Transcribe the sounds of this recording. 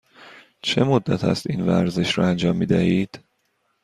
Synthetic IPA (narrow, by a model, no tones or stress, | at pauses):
t͡ʃʰe̞mod̪ːæt̪ʰæ̰st̪iːnvæ̰ɾze̞ʃɾɒænd͡ʒɒːmːiːd̪æhiːd̪̥